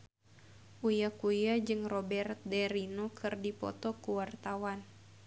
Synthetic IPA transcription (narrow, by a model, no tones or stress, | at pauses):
ʔujakujad͡ʒɨŋrɔbɛrt̪̚dɛɾinokʰɨrdipɔ̰t̪ɔkuwart̪awan